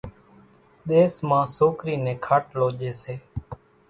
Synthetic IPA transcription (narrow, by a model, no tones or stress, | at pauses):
ɗ̪eːsmãːsoːkɾiːnẽːkʰaːʈloːʄeːseː